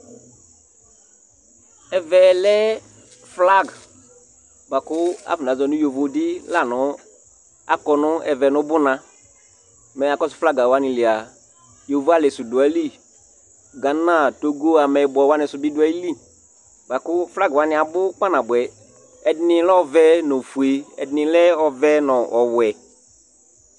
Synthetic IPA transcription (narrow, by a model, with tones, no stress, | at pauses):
ɛ˨vɛ˨lɛ˦ | fla˦˨ɡ | ba˨kʊ˦a̰˨˦fʊ˨nã˨˦zɔ˨nʊ̃˦jo˨vo˨˦dɪ˦la˦˨nʊ˨˦ | a̰˦kɔ˨nʊ̃˦ɛ̰˨vɛ˨nʊ̃˦bʊ˦nã˨ | mɛ˨a˨kɔ˦sʊ̥˨˦fla˦ɡa˨wa˦nɪ̃˨lɪ˨a˨ | jo˨vo˦a˦˨lɛ˨sʊ˨du˨a˨˦li˦˨ | ɡa˨˦nã˦˨to˦ɡo˦a˨mɛ˨˦bɔ˨wa˦nɪ̃˨sʊ˨bi˦dʊ˦a˨i˦li˦˨ | ba˨kʊ˦fla˦ɡa˨wa˦nɪ˨a˨bʊ˦k͡pa˦nã˨bɛ˨ | ɛ˨dɪ˦nɪ̃˨lɛ˦ɔ˦vɛ˦nɔ˨fu˨e˨ɛ̰˨dɪ˦nɪ̃˨lɛ˦ɔ˨vɛ˦nɔ̃˨ʔɔ˨wwɛ˨